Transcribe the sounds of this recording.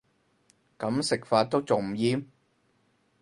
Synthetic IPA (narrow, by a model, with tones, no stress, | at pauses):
kɐ˨˥msɪ˨k̚faː˧t̚t̪o˥wt͡sʊ˨ŋm̩˨˩jiː˧m